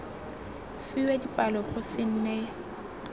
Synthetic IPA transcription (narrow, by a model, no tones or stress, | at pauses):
fiwɛdipʼalɔχʊsɪn̩ːnɛ